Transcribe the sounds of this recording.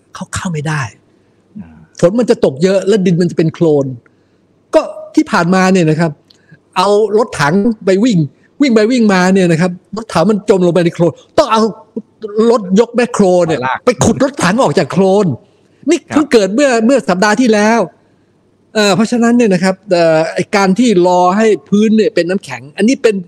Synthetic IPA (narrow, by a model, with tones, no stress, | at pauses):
kʰa˦˥˩wkʰa˥˩wma˥˩jdaː˥˩j | t̪ʰo˨˩˦nma˧nt͡ɕa˨˩t̪o˨˩k̚jɤ˦˥ʔlɛ˦˥di˧nma˧nt͡ɕa˨˩pe˧nkʰloː˧n | kɔː˥˩t̪ʰiː˥˩pʰaː˨˩nmaː˧ni˥˩ɐna˦˥kʰa˦˥p̚ | ʔa˧wlo˦˥t̪ʰːaː˩˦ŋpa˧jwi˥˩ŋ | wi˥˩ŋpa˧jwi˥˩ŋmaː˧ni˥˩ɐna˦˥kʰa˦˥p̚ɾo˦˥t̪ʰːaː˩˦wma˧nt͡ɕo˧mloː˧pa˧jna˧jkʰloː˧nt̪ɔ˥˩ŋʔa˧w | lo˦˥t̪̚jo˦˥k̚mɛ˦˥kʰɾoː˧nːi˥˩ɐpa˧jkʰu˨˩t̪̚ɾo˦˥t̪ʰːa˩˦ŋʔɔː˨˩k̚t͡ɕaː˨˩kʰloː˧n | niː˥˩kʰa˧˥kɤː˨˩t̪̚mɯ˥˩ɐmɯ˥˩ɐsa˨˩p̚daː˧t̪ʰiː˥˩lɛː˦˥w | ʔəː˧˩pʰɾɔ˦˥t͡ɕʰa˧na˦˥nːi˥˩ɐna˦˥kʰa˦˥p̚ʔɤː˨˩ʔa˧jkaː˧nt̪ʰiː˥˩ɾɔː˧ɦa˥˩jpʰɯː˦˥nːi˥˩ɐpe˧nːaː˦˥mkʰɛ˩˦ŋʔa˧nːiː˦˥pe˧n